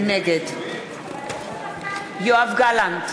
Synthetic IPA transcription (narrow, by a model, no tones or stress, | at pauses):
mɛɡɛd | jɔavɡalant